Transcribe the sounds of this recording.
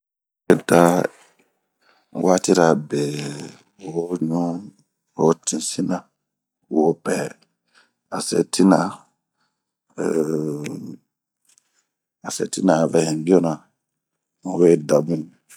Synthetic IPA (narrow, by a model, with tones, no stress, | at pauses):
e˦da˧˨ | wa˦ti˦ɾa˨be˨ | u˨wo˦ɲũ˦ | o˦tĩ˨si˦nã˨ | u˨wo˦pɛ˨ | a˨se˨tʰi˦na˨ | a˨sɛ̰˨ti˦nã˨vɛ˨hĩ˨bi˦o˦nã˨ | u˨we˦da˨bũ˦